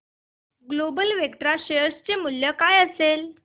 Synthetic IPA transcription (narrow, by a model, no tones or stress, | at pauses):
ɡlobəlʋekʈ̪ɾaɕeəst͡ɕemuljəkajəsel